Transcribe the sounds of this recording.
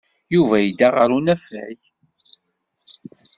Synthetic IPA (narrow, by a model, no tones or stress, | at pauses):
juvæjid̪aʁəɾunæfæ̰ç